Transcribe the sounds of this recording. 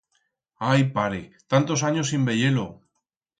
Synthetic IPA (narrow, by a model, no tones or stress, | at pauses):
ajpaɾet̪ant̪o̞saɲosimbe̞ʎe̞lo